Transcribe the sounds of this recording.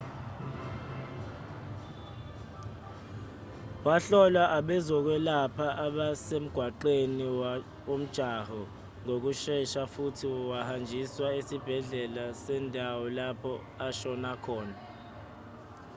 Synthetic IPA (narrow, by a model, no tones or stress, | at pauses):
waɬɔlaʔaɓɛzɔk̬wɛlapʰaʔaɓasem̩ɡ̥ʱwaǃeni | om̩d̥ʒ̥ʱahɔ | ŋok̬uʃɛʃafutʰiwahand͡ʒʱiswaesib̥ʱɛɮɛlasɛndʱawɔlapʰɔ | aʃɔnakʰɔːna